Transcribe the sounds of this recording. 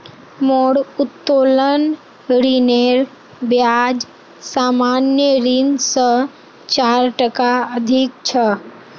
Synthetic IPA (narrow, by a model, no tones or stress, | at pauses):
moɽʊt̪ːoːlən | ɾineɾ | bjad͡ʒ | saːmanjəɾinsə̃ | t͡ʃaɾʈəkaəd̪ʱik̚t͡ʃʰə